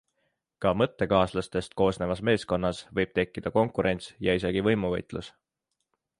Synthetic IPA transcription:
kɑmɤt̪ːe̞kɑːslɑst̪e̞st̪̚ko̞ːsne̞vɑsme̞ːsko̞nːɑsvɤjb̥̚t̪e̞kːid̪̥ɑko̞ŋkˑuɾe̞nʲt̪sjɑis̬e̞ɡ̥ivɤjmuvɤjt̪ˑlus

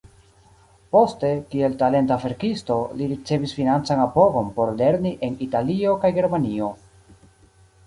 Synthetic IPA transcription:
po̞ste̞kie̞ltale̞ntafe̞ɾkisto̞liɾit͡se̞visfinant͡sanapo̞ɡo̞npo̞ɾle̞ɾniʔe̞nitalio̞kajɡe̞ɾmanio̞

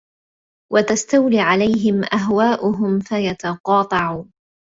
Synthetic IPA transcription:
wat̪ast̪awliːʕalajɦɪmʔaɦwaːʔʊɦʊmfajat̪ɑqɑːt̪ˤɑʕuː

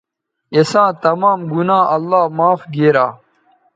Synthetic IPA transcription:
esãːt̪ɐmaːmɡunãːʔɐlːaːmaːfɡeːɾaː

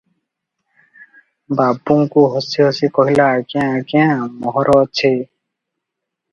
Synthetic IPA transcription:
babuŋkuɦɔsiɦɔsikɔɦilaːɡiãːɡiãmɔɦɔɾʔɔt͡ʃʰe

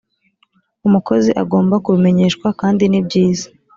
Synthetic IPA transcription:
umuko̞ziʔaɡo̞ːmbakuβime̞ɲe̞ːʃkwakaːndinibɟiːzḁ

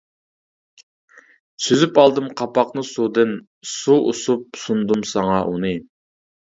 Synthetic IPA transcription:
syzypɑlˠd̪ɨmqʰɑpɑqnɨsud̪ɨn | suʔusup̚sund̪umsɑŋɑʔunɨ

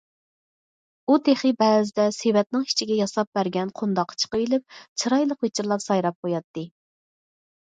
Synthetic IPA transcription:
ut̪ʰeχɨbɛːzɪd̪ɛsewɛt̪̚nɪŋi̥t͡ʃʰiɡʲɛjɑsɑp̚bæɾɡʲɛnqʰund̪ɑqʰːɑ̥t͡ʃʰə̥qəilɪp̚t͡ʃʰɨɾɑjlˠəqwet͡ʃʰɪɾlˠɑpsɑjɾɑp̚qʰojɑt̪ːɨ

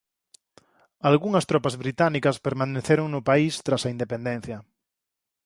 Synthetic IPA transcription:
alɣuŋɐst̪ɾɔpazβɾit̪anikaspeɾmãneθeɾoŋnʊpaist̪ɾasaind̪epẽnd̪ẽn̟θjɐ

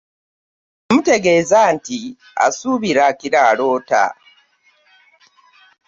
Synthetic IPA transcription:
amute̞ɡeːzaːnti | a̰suβiɾakiɾaːlo̞ːta̰

